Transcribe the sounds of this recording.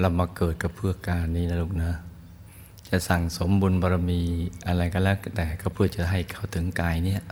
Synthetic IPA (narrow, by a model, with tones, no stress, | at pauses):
la˧˩maː˧kɤː˨˩t̪̚ka˧˩pʰɯ˧˩əkaː˧˩niː˧˨na˧lu˧k̚nɯ˧˥˨ | t͡ɕa˧˩sa˨˩ŋso˨˦mbu˧˨nbɔ˧ɾa˧miː˧˩ʔa˧ɾa˧˩jka˧lɛː˦˧˩t̪ɛː˧˩ka˧˩pʰɯ˧˩ət͡ɕa˧˩ɦa˧˩jkʰa˧˩wt̪ʰɯ˨˦ŋkaː˧jni˧˨əʔ